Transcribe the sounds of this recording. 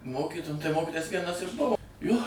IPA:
ˈmoːkʲiːtoː tɐɪ ˈmoːkʲɪtoːjɛs tɐɪ ˈʋʲiɛnɐs ɪr ˈbʊʋoː joː

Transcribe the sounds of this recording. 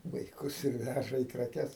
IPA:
ʋɐɪˈkʊs ɪr ˈʋʲæʒɐ iː krɐˈkʲɛs

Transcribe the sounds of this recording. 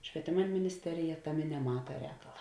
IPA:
ʃʲʋʲiɛˈtʲeːmɐ mʲɪnʲɪsʲˈtʲæːrʲɪjɛ ˈtɑːˌmʲeː nʲɛˈmɑːtɐ ˈrʲɛːkɐlˠɐ

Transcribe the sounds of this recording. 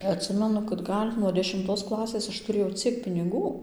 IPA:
ɐtʲˈsʲɪmʲɛnʊ kɐt ˈɡɐlʲ nuɔ dʲɛʃʲɪmˈtoːs ˈklˠɑːsʲeːs ˈɐʃ tʊˈrʲeːjɛʊ ˈt͡sʲiɛk pʲɪnʲɪˈɡuː

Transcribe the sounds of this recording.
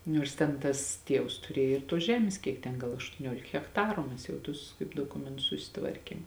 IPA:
ˈnʲoːrs tʲɛn ˈtɐs ˈtʲiɛws tʊˈrʲiɛj ɪr tuɔs ˈʒʲæːmʲeːs kʲiɛk ˈtʲɛn ˈɡɐlˠ ɐʃtuɔˈnʲuɔlʲɪk ɣʲɛkˈtɑːrʊ ˈmʲɛs jɛʊ ˈtʊs kɐɪp doːˈkʊmʲɛntʊs sʊsʲɪˈtʋɐrʲkʲeːm

